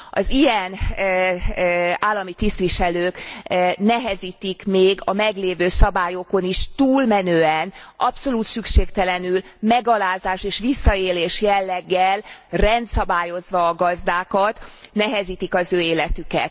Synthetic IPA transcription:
ɒ̰zijɛn | aːlːɒmit̪ist̪ʋiʃɛløːknɛɦɛziːt̪ikmeːɡɒmɛɡleːvøːsɒbaːjoko̞niʃt̪uːlmɛnøːɛnʔɒpso̞luːt̪sykʃeːkt̪ɛlɛnylmɛɡɒlaːzaːʃeːʃʋisːɒeːleːʃjɛlːɛɡːɛlrɛnt̪sɒbaːjo̞zʋɒːɡɒzd̪aːkɒt̪nɛɦɛziːt̪ikɒzøːeːlɛt̪ykɛ̰t̪

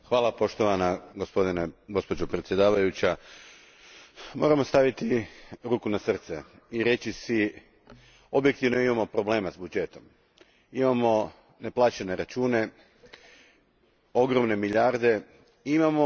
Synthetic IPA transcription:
xʋaːlˠapo̞ʃt̪o̞ʋanaɡospo̞d̪ineɡo̞spod͡ʒopɾe̞t̪sje̞d̪aːʋajut͡ɕa | mo̞̰ːɾamo̞st̪aʋit̪iɾuːkunasr̩t̪se | iɾe̞t͡ɕisi | obje̞k̚t̪iʋnoimamo̞pɾo̞ble̞ːmazbud͡ʒe̞t̪o̞m | imamo̞ | neplˠaːt͡ʃene̞ɾat͡ʃuːne̞ | o̞ɡɾo̞mne̞miʎaɾd̪e̞ | imamo̞

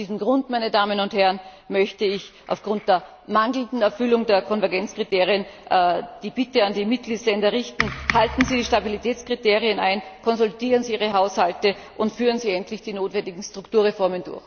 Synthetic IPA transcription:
d̥iːzm̩ɡʁʊntmaɪnədaːmənʊnthɛʁn | mœçtəɪçʔa̰ʊfɡ̥ʁʊnt̚d̥eːɐ | maŋdl̩ndn̩ɛɐfʏlʊŋdeːɐkʰɔnvɛɐɡɛnt͡skʁ̥iteːʁiənʔd̥iːb̥ɪtəandiːmɪt̚ɡ̥liːtslɛndɐʁɪçtn̩haltn̩ziːdiːʃtabilitʰɛːt͡skʁ̥iteːʁiənaɪnkʰɔnzʊltiːʁənziːiːʁəɦaʊshaltə | ʔʊntfyːʁənziːɛntlɪçd̥iːnoːtvɛndɪɡŋ̩stʁ̥ʊktuːɐʁefɔɐməndʊ̰ɐx

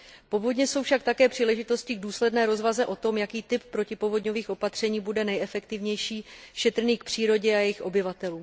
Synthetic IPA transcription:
po̞vo̞dɲɛso̞wfʃak̚t̪akɛːpr̝̥iːlɛʒɪt̪o̞scɪɡ̚duːslɛdnɛːɾo̞zvazɛʔo̞t̪o̞mjakiːt̪ɪp̚pɾo̞cɪpo̞vo̞dɲo̞viːxʔo̞pat̪r̝̥ɛɲiːbudɛnɛjɛfɛkt̪ɪvɲɛjʃiːʃɛt̪ɾ̩niːk̚pr̝̥iːɾo̞ɟɛajɛjɪxʔo̞bɪvat̪ɛluːm

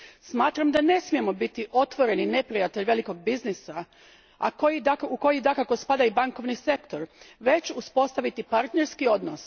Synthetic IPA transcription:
smaːt̪ɾamd̪ane̞smije̞mo̞bit̪iʔo̞t̪ʋo̞ɾe̞nine̞pɾijat̪e̞ʎʋe̞liko̞ɡ̚biznisa | a̰kojid̪akuko̞jid̪akako̞spad̪aibaŋko̞ʋnise̞kt̪o̞ɾʋe̞t͡ɕuspo̞st̪aʋit̪ipaɾt̪ne̞ɾskio̞d̪nos

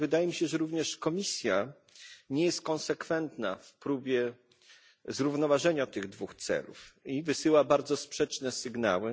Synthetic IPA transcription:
vɘd̪ajɛmʲiɕɛʐɛɾuvɲɛʂkɔmʲisʲja | ɲɛjɛst̪̚kɔnsɛkfɛnt̪na̰fpɾubʲjɛ | zɾuvnɔvaʐɛɲat̪ɘɣd̪vuxt̪sɛ̰lṵfivɘsɘwabaɾd̪zɔspʂɛt͡ʂnɛsɘɡna̰wɘ

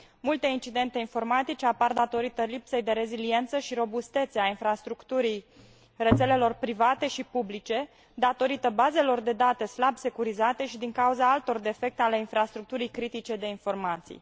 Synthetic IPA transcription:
mult̪e̞int͡ʃid̪e̞nt̪e̞info̞rmat̪it͡ʃe̞apard̪at̪o̞ɾit̪əlipse̞jd̪e̞ɾe̞zilie̞nt̪səʃiɾo̞bust̪e̞t̪seainfɾast̪ɾukt̪uɾij | re̞t̪se̞le̞lo̞rpɾivat̪e̞ʃipublit͡ʃe̞ | d̪at̪o̞ɾit̪əbaze̞lo̞rd̪e̞d̪at̪e̞slabse̞kuɾizat̪e̞ʃid̪iŋkauzaalt̪o̞rd̪e̞fe̞k̚t̪eale̞infɾast̪ɾuk̚t̪uɾijkɾit̪it͡ʃe̞d̪e̞info̞rmat̪sḭj

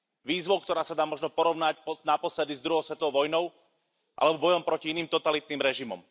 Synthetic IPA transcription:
ʋiːzʋɔʊkt̪ɔɾaːsad̪aːmɔʒnɔpɔɾɔʊnacpɔnapɔslɛd̪izd̪ɾuɦɔʊsʋɛt̪ɔɔʊʋɔjnɔʊ | ʔa̰lɛbɔbɔjɔmpɾɔciiniːmt̪ɔt̪alit̪̚niːmɾɛʒimɔ̰m

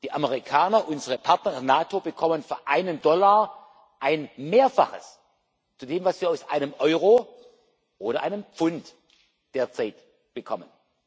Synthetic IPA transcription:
d̥iːʔaməʁikʰaːnɐʔʊnzəʁəpʰaɐtnɐnaːtʰobəkʰɔmənfyːɐʔaɪnəndɔlaɐ | ʔaɪnmeːɐfaχə̰s | t͡sudeːmvasv̥iːɐaʊsʔa̰ɪnəmʔɔʏʁoː | ʔoːɾɐʔaɪnəmp͡fʊnt | d̥eːɐt͡saɪt | b̥əkʰɔmən

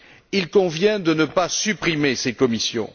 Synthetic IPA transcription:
ilkɔ̃vjɛ̃d̪ənəpasypχimesekɔmisjɔ̰̃

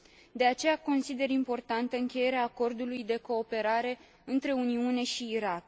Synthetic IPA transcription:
d̪e̞at͡ʃe̞jako̞nsid̪e̞ɾimpo̞rt̪ant̪əɨŋkʲe̞je̞ɾeaːko̞rd̪ulujd̪e̞ko̞ːpe̞ɾaɾe̞ | ɨnt̪ɾe̞uniune̞ʃiːɾak

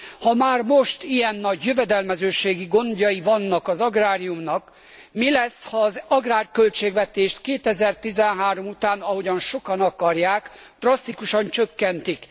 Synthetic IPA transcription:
hɒmaːrmo̞ʃt̪ijɛnːɒɟjøvɛd̪ɛlmɛzøːʃeːɡiɡo̞nd̪ɒjivɒnːɒkɒzɒɡraːɾijumnɒk | milɛsːhɒːzɒɡraːrkølt͡ʃeːɡvɛt̪eːʃt̪keːt̪ɛzɛrt̪izɛnɦaːɾo̞mut̪aːnɒɦo̞ɟɒnʃo̞kɒnɒkɒrjaːkd̪̥rɒst̪ikuʃɒnt͡ʃøkːɛnt̪ik

